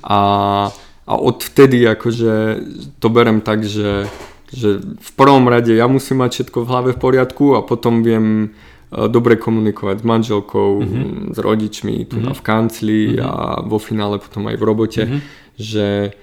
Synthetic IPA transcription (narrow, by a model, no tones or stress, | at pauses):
ʔa | ʔa̰ʔɔt̪ft̪ɛd̪iakɔʒɛt̪ɔbɛɾɛmt̪aɡʒɛ | ʒɛfpr̩ʋɔmɾaɟɛjamusimːacfʃɛt̪kɔvɦlaʋɛfpɔɾɪat̪kuapɔt̪ɔmʋɪɛm | d̪ɔbɾɛkʰɔmunikʰɔʋaɟzmanʒɛlkʰɔʊzɾɔ̰ɟit͡ʃmḭt̪una̰fkant͡slia̰ʋɔfinaːlɛpɔ̥t̪ɔma̰jvɾɔbɔcʰɛ | ʒɛ